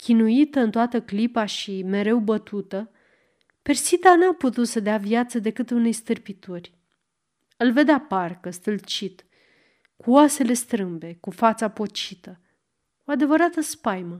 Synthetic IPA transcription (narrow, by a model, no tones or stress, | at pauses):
kʲinuit̪əɨnt̪oat̪əklipaʃime̞ɾe̞wbət̪ut̪ə | pe̞rsit̪anaput̪ut̪səd̪eavjat̪səd̪e̞kɨt̪une̞jst̪ɨrpit̪orʲ | ɨlve̞d̪eaparkəst̪ɨlt͡ʃit̪ | kuoase̞le̞st̪ɾɨmbe̞kufat̪sapo̞t͡ʃit̪ə | oad̪e̞vəɾat̪əspajmə